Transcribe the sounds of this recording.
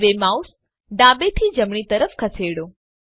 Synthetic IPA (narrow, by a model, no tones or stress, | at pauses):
ʋemaus | ɖãbet̪ʰid͡ʒəmɳ̃it̪əɾəfkʰəseɽõ